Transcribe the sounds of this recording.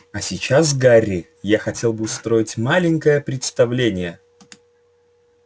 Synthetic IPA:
ɐsʲɪt͡ɕasɡarʲːɪ | jaxɐtʲe̞lˠbɨʊst̪ɾo̞ɪtʲmalʲɪŋʲkəjəpɾʲɪt̪st̪ɐvlʲenʲɪjə

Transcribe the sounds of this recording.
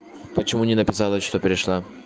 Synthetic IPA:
pət͡ɕɪmunʲɪnəpʲɪsalˠəʂt̪opʲɪɾʲɪʂlˠa

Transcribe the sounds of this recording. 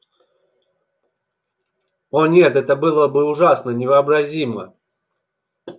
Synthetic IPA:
onʲe̞t̪ɛt̪əbɨlˠəbɨʊʐasnənʲɪvəːbɾɐzʲimə̰

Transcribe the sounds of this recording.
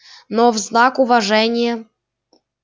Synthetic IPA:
novznakuvaʐɛnʲɪjə

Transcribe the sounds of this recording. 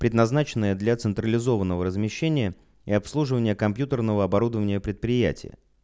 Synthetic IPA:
pɾʲɪd̪nɐznat͡ɕɪnːəjəd̪lʲat̪sɨnt̪ɾəlʲɪzo̞vənːəvəɾəzmʲɪɕːenʲɪjə | ɪɐpslˠuʐɨvənʲɪjəkɐmpjut̪ərnəvəɐbɐɾud̪əvənʲɪjəpɾʲɪt̪̚pɾʲɪjæ̰tʲɪ̰jə̰

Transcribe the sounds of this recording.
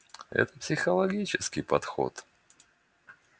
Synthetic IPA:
ɛ̰t̪əpsʲɪxəlˠɐɡʲit͡ɕɪskʲɪjpɐt̪xo̰t̪

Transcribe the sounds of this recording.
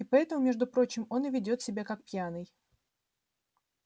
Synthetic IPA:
ɪpɐɛt̪əmʊmʲeʐd̪ʊpɾo̞t͡ɕɪmo̞nɪvʲɪdʲo̞t̪sʲɪbʲakak̚pʲjanɨj

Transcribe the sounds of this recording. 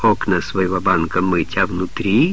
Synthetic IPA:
oknəsvɐjɪvobankəmɨtʲavnʊt̪ɾʲi

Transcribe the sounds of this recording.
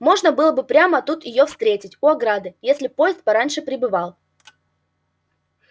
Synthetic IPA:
mo̞ʐnəbɨlˠəbɨpɾʲaməɐt̪ut̪jɪjo̞fst̪ɾʲetʲɪtʲʊɐɡɾad̪ɨjesʲlʲɪpo̞jɪst̪̚pɐɾanʲʂɨpɾʲɪbɨvalˠ

